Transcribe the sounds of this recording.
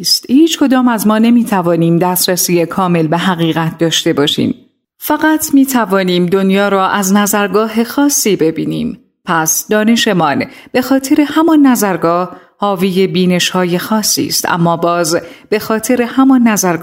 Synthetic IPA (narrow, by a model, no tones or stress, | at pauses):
st̪hiːt͡ʃkʰo̞d̪ɒːmæzmɒːnemiːt̪ʰævɒːniːmd̪æːstɾæsiːjekʰɒːme̞lbeɦæɣiːɣæt̪̚ʰd̪ɒːʃt̪e̞bɒːʃḭːm | fæɣæt̪ʰmiːt̪ʰævɒːniːmd̪o̞njɒːɾɔːʔæznæzæɾɡɒːɦe̞xɒːsːiːbe̞biːniːm | pʰæsd̪ɒːne̞ʃe̞mɒnb̥e̞xɒːt̪ʰe̞ɾe̞hæmɒnːæzæɾɡɒːh | hɒːviːje̞biːne̞ʃhɒːje̞xɒːsːḭːst̪æ̰mːɒːbɒːzb̥e̞xɒːt̪ʰe̞ɾe̞hæmɒnːæzæɾɡ